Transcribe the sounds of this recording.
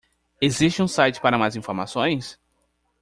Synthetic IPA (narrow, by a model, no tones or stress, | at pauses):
eziʃt͡ʃɪũsajt͡ʃɪ̥paɾɐmajzĩfoɾmasõj̃s